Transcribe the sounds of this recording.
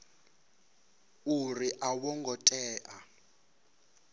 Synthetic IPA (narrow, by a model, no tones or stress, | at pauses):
uriʔawɔŋɡʱɔtʼɛːʔa